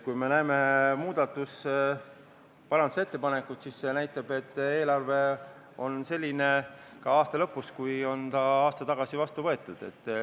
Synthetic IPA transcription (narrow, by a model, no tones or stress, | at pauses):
kujme̞næeme̞muːd̪ɑt̪ːˑus | pɑɾɑnd̪u̥se̞t̪ːe̞pɑne̞kut̪sisːe̞næjt̪ːˑɑb̥e̞t̪ːe̞ːlɑrve̞ | o̞nse̞lʲːine̞ | kɑɑːst̪elɤ̞pːˑuskujo̞nt̪ɑɑːst̪ɑt̪ɑɡ̥ɑsivɑst̪uvɤe̞t̪ːˑud̪̥e̞̰t̪ˑː